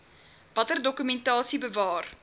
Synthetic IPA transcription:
vɐtərdɔkymɛntɑːsibəvɑːr

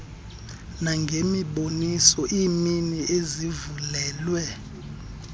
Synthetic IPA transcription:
naŋɡʱemiɓonisɔʔiːminiʔezivulɛːlwɛ

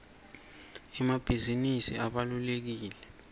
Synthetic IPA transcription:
ɛmab̥ʱizinisḭʔaɓalulek̬iːlɛ

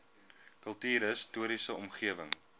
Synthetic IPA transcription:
kəlˠtiːɾəstuəɾisəɔmχiəvəŋ

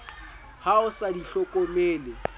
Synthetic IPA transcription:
haʊsadiɬɔkʼomeːle

